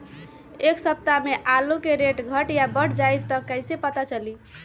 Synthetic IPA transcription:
eksəp̚t̪ameʔalukeɾeʈɡʱəʈjabəɽd͡ʒajt̪ːəkːəjsepət̪at͡ʃəli

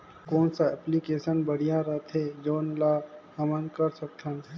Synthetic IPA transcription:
koːnsaɛplikeːsənbəɽ̤ijaɾɐt̪ʰed͡ʒoːnlahɐmənkəɾsək̚t̪ʰənʰ

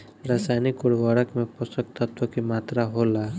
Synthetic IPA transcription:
ɾaːsajnikʊɽbaːɽəkmẽpɔsək̚t̪ət̪wəkimaːt̪ɾaɦola

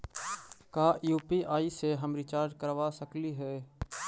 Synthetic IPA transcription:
kaːjuːpiːʔaːiːseːɦəmɾɪt͡ʃaːɾɖkəɾʋaːsəkliːɦɛː

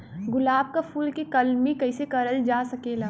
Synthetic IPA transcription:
ɡʊlaːb̚kafʰuːlkikɐlmikɐɪsekɐɾəld͡ʒaːsɐkeːlaː

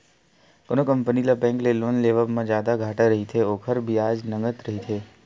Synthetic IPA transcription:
konokə̃mpənilabɛ̃ːŋkleloːnleːʋəmãd͡ʒjaːd̪aɡʱaːʈaɾəɦit̪ʰeoːkʰəɾbʱiaːd͡ʒnəŋɡət̪ɾɐɦit̪ʰeː

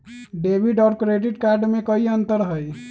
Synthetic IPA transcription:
ɖebʱiɖɔʊɾkɾeɖiʈkaɾɖmekəiənt̪əɾɦəj

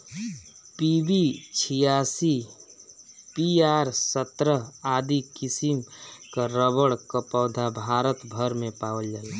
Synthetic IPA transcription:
pibit͡ʃʰijaːsi | piaːɾsət̪ɾəɦaːd̪ikɪsimkaɾəbəɽkəpɔːd̪ʱabʱaːɾət̪bʱəɾmẽpaːwəld͡ʒaːi

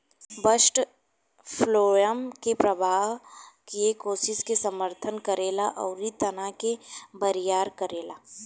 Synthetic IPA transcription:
bəsʈ | pʰloːjəmkepɾɐbʱaːkiekoːsɪskesəməɾt̪ʰənkɐɾeːlaʔɔːɾit̪ɐnakebɐɾijaːɾkɐɾeːlaː

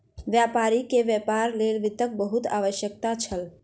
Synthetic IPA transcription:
ʋjapaɾikeʋjɛpaɾlelʋɪt̪ək̚bəɦut̪a̰ʋəʃjək̚t̪at͡ʃʰəl

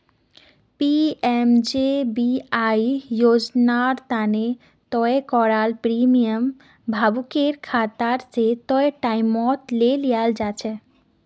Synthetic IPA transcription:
piemd͡ʒebiaijod͡ʒnaɾt̪ane | t̪ɔekɔɾalpɾimijəm | bʱabukeɾkʰat̪aɾset̪ɔeʈaɪmɔt̪lelijald͡ʒat͡ʃʰɛ

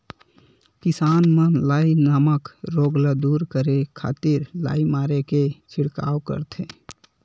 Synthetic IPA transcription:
kɪsaːnmənlaːinəməkɾoːɡləd̪uːɾkəɾekʰa̰ːt̪iɾla̰ːimaːɾeket͡ʃʰɪɽka̰ːwkə̰ɾt̪ʰẽː

